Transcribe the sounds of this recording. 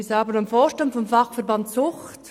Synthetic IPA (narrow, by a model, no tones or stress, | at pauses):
sɑːbənamfoːʃtɑntfɔmfɑχfɛʁbɑntsʊxt